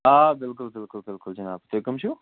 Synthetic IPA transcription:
aːbɪlkʊlbɪlkʊlkɪlkʊld͡ʒɐnaːpt̪ojkɐmʃu

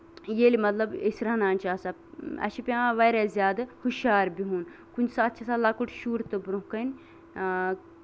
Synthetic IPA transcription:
jeːlimɐt̪lɐbesɾɐɦnaːnʲt͡ʃaːsɐ | ɐ̰ʃipʲjãːʋɐɾazʲjaːd̪ɨhuʃaːɾbiɦuːn | kunʲsaɐt̪ːt͡ʃʰɐsalɐkuʈʃuːɾt̪ɨbɾuɦkɐn

